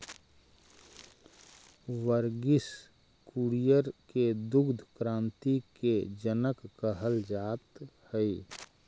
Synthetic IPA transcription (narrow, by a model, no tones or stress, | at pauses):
ʋəɾɡɪs | kuɾijəɾked̪ʊɡd̪ʱkɾãːnt̪iked͡ʒənəkːəɦəld͡ʒaːt̪həi